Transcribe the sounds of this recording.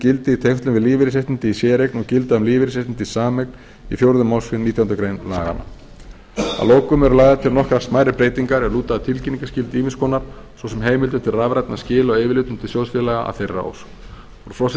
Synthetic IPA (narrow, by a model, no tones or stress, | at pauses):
cɪlt̪ɪit̪ʰejft̪lʏmvɪðliːvɪɾɪseht̪ɪnt̪ɪisjɛːɾeknɔɣcɪlt̪aðʏmliːvɪɾɪseht̪ɪnt̪ɪ̥saːmekn | ifjowɾðʏmawsfɪnit̪jawhnɾkɾejnla̰ːɣa̰na̰ | a̰loːwkʏmɛɾʏlaːjɣðat̪ʰɪlnɔhkɾasmaːjɾɪpɾejt̪iŋkaɾɛluːt̪aðat̪ʰɪlciniŋkascɪlt̪iːmɪnskʰɔːnaɾ̥ | svɔsɛmɦeːjmɪlt̪ʏmt̪ʰɪlravɾajt̪nascɪːlɔɣejvɪlɪːt̪ʏmt̪ʰɪlsjowlsfɪlɛɣaʔa̰θejrːa̰o̰ws | ɔɾ̥fɾɔs